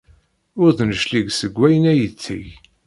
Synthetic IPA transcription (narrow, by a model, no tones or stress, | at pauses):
ʊɾθnəʃliɡsəɡʷːæjənæjət͡sːḭʝ